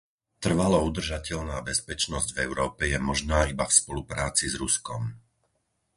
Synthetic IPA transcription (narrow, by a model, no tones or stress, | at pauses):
t̪r̩ʋalɔud̪r̩ʒacɛʎnaːbɛspɛt͡ʃnɔzɟvɛʊɾɔːpɛjɛmɔʒnaːibafspɔlupɾaːt͡sizɾuskɔm